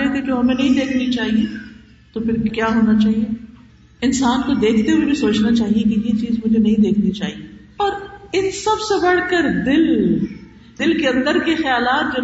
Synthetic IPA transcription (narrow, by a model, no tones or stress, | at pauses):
ɛɦt̪ed͡ʒoːɦɐmẽnɐɦĩd̪eːkʰnit͡ʃaːɦie | t̪opʰɪɾkjaːɦoːnat͡ʃaːɦie | ɪnsaːnkod̪eːkʰt̪eɦuebĩsoːt͡ʃnat͡ʃaːɦijekijet͡ʃiːzmʊd͡ʒʱenɐɦĩd̪eːkʰnit͡ʃaːɦiepɐɾɪnsɐbsebɐɽ̤kəɾd̪ɪlɦu | d̪ɪlkeɐ̃nd̪əɾkexjaːlaːt̪̚d͡ʒoː